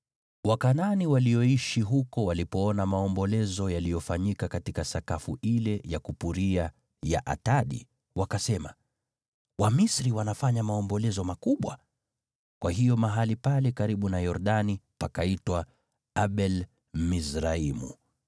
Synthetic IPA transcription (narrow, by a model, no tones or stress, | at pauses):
wakananiwalijɔiʃiɦukɔwalipɔɔnamaɔmbɔlɛzɔjalijɔfaɲikakatikasakafṵʔilɛjakupuɾia | ja̰ʔa̰taɗḭ | wakasɛma̰ | wamisɾiwanafaɲamaɔmbɔlɛzɔmakuɓwa̰ | kwaɦijɔmaɦalipalɛkaɾiɓunajɔɾɗanipakaitwa | aɓɛl | misɾaimṵ